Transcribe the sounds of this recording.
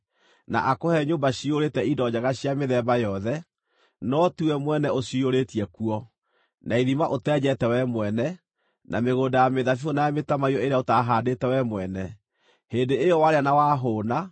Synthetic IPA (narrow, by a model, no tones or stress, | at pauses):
na̰ʔakohɛɲoːmbaɕioɾeːtɛidɔd͡ʑaɣaɕiameðɛbajɔðɛ | nɔtuɛmwɛnɛoɕioɾetijɛkuɔ | nʔaiðimaʔotɛd͡ʑɛtɛwɛmwɛnɛ | nʔa̰meɣoːndajameðafionaemetamaiɔeɾeaotaɦaːdetɛwɛmwɛnɛ | heːndeejɔwaɾeanawaːɦoːna